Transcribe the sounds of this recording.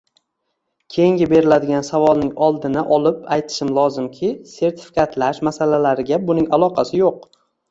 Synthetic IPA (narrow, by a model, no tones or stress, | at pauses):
kʲʰe̞jɪŋɡʲɪbe̞ɾɪlad̪ɪɡʲansavɒlˠnɪŋɒlˠd̪ɪnaʔɒlɪpajt̪ʰɪ̥ʃɪmlˠɒzɪmkʲʰɪse̞ɾt̪ʰɪ̥fi̥kʲʰat̪ʰlaʃmasalalaɾɪɡʲabʊnɪŋalˠɒqʰɑsɪjoq̚